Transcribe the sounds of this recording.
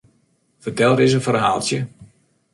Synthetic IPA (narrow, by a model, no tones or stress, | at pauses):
fərtɛlˠɾɪs̬əfərɦaːlˠtjə